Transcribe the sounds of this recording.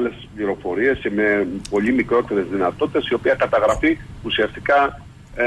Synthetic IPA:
le̞spliɾo̞fo̞ɾie̞sce̞me̞po̞ʎimikɾo̞t̪e̞ɾe̞zðinɐt̪ot̪i̥t̪esio̞piɐkɐt̪ɐɣɾɐfiusiɐst̪ikɐ

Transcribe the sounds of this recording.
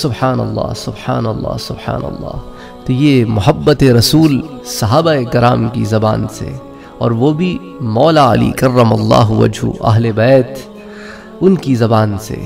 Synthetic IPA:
sʊbħaːnɐ̰lˤːɑ̰ːsʊbħaːnɐlˤːɑ̰ːsʊbħa̰ːnɐ̰lːɑ̰ː | t̪ojemʊɦɐbːət̪eɾɐsuːl | sɐɦaːbaekɪɾaːmkḭzɐbaːnsḛ | ɔːɾʋobʱi | mɔːlaːɐlḭkɐrːɐmɐlˤːɑːɦuʋɐ̰d͡ʒʱṵʔɐ̰ɦlebɛːt̪ | ʊnkizɐbaːnsḛ

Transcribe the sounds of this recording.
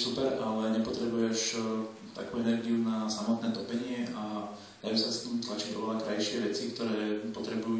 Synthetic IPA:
supɛɾʔalɛɲɛpɔt̪ɾɛbujɛʃ | t̪a̰kuːɛnɛɾɡiunasamɔt̪nɛːt̪ɔpɛɲɪɛʔa | d̪ajuːsast̪imt̪lat͡ʃiɟɔ̰ʋlakɾajʃɪɛʋɛt͡sikt̪ɔɾɛːpɔt̪ɾɛbuju

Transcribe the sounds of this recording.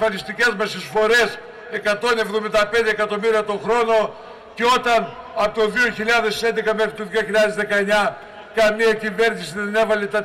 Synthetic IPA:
fɐnist̪ice̞zmɐst̪isfo̞ɾe̞s | e̞kɐt̪o̞ne̞vðo̞mind̪ɐpend̪eːkɐt̪o̞miɾiɐt̪o̞xɾo̞no̞ | ceo̞t̪ɐn | ɐpot̪oðio̞çiʎɐðe̞send̪e̞kɐmexɾit̪oðioçilʎɐðe̞zðe̞kɐeɲɐ | kɐmiɐcive̞ɾnisiðene̞vɐlet̪ɐ

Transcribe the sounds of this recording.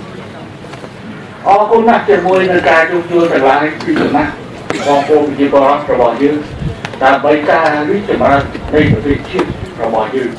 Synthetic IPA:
ʔɑːkunːaht͡ɕiəmuəjnɨwkaːt͡ɕoːlt͡ɕʊ̆əlt̪awlaəjpiːsanaʔ | ɓɑːŋpoːpit͡ɕiəpoːrɔt̪̚rɔɓɑhjəːŋ | ɗaəmɓəjkaːriəh̚t͡ɕɑmrat̪̚nɨjprɔt̪eːhpt͡ɕiət̪̚rɔɓɑhjəːŋ

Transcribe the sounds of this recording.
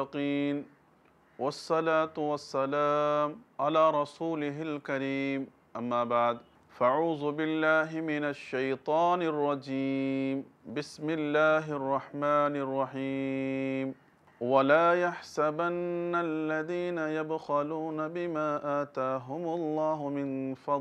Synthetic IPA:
ɑqiːn | wɑsˤːɑlaːt̪wasːalaːmʕalaːɾˤɑsuːlɪɦalkaɾiːm | ʔamːaːbaʕd̪ | faʔʕuːðʊbɪlːaːɦɪmɪnaʃːajt̪ˤɑːnɑrˤːɑd͡ʒiːmbɪsmɪlːaːɦɪʔɑrˤːɑħmaːnʔɑrˤːɑħiːm | walaːjaħsabanːalːaðiːnajad̪xaluːnabɪmaːʔaːt̪aːɦʊmʊlˤːɑːɦʊmɪnfɑd̪ˤ

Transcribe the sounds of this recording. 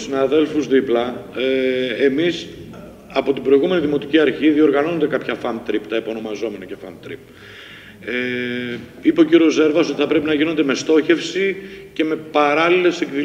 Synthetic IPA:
sinɐðe̞lfuzðiplɐ | emis | ɐpo̞t̪ibɾo̞iɣume̞niðimo̞t̪iciɐɾçiðio̞ɾɣɐno̞nnd̪e̞kɐpçɐfɐmt̪ɾipt̪ɐipo̞no̞mɐzo̞me̞nɐce̞fɐ̰mt̪ɾḭp̚ | e | ipeociɾo̞ze̞ɾvɐso̞t̪iθɐpɾe̞pinɐʝino̞nd̪e̞mest̪o̞çe̞fsice̞me̞pɐɾɐlile̞se̞kði

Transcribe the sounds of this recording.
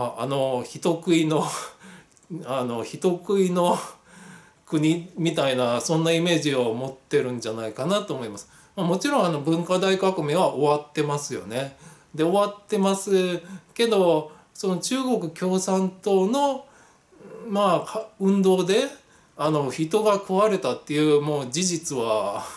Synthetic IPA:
aano̞çit̪o̞kɯ̟ino̞ | ano̞çit̪o̞kɯ̟ino̞ | kɯ̟ɲ̟imʲit̪ainasõ̞nːaime̞ːʑio̞mo̞t̪ːe̞ɾɯ̟̃ɲ̟d͡ʑanaikanat̪oːmo̞imasɨ̥ | mamo̞t͡ɕiɾõ̞ɰ̃ano̞bɯ̟̃ŋkad̪aikakɯ̟meβaʔo̞βat̪ːe̞masɨjo̞̰ne̞ | d̪e̞o̞βat̪ːe̞masɨke̞d̪o̞ | so̞no̞t͡ɕɨːɡo̞kɯ̟kʲo̞ːsãnt̪o̞ːno̞ | makʰaɯ̟̃nd̪o̞ːd̪e̞ | ano̞çit̪o̞ɡakɯβaɾe̞t̪at̪ːe̞jɯ̟ːmo̞ːd͡ʑiʑit͡sɨβa

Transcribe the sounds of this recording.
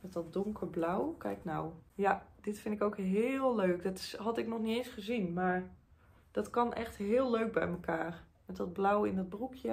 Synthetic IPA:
mɛt̚dɔt̚dʊŋkəɹblawkɛ̰jknawjad̥ɪtfɪndɪkowkɦɪːlˠløɥkdɔtɪɦɑtɪknɔχniejnsχəzinmaːɹ | d̥ɔtkɑnʔɛχtɦɪːlˠløɥk̚bɛ̰jməkaːɹ | mɛtdɔd̚blawɪndɔd̚brukʰjə

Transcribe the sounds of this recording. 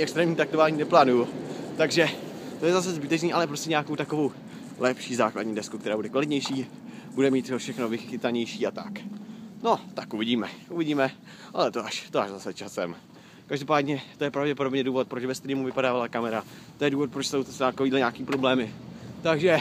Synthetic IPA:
ɛkst̪ɾɛːmɲiːt̪ak̚t̪ovaːɲiːnɛplaːnujut̪aɡʒɛt̪ojɛzas̬ɛzbɪt̪ɛt͡ʃniːʔalɛpɾoscɛɲeako̞wt̪akovo̞w | lɛpʃiːzaːkla̰dɲiːdɛskuk̚t̪ɛɾaːbudɛkvalɪt̪ɲɛjʃiː | budɛmiːt̪ofʃɛxnovɪxɪt̪aɲɛjʃiːat̪a̰kno̞t̪akʔuvɪɟiːmɛʔuvɪɟiːmɛ | ʔalɛt̪oʔaʃt̪oaʒzasɛt͡ʃasɛm | kaʒdopaːdɲɛt̪ojɛpɾavɟɛpodobɲɛduːvo̞t̪̚pɾo̞t͡ʃvɛst̪ɾiːmuvɪpadaːvalakamɛɾa | t̪ojɛduːvo̞t̪̚pɾot͡ʃsowt̪saːt̪akoviːdlɛɲaːkiːpɾoblɛːmɪt̪aɡʒɛ

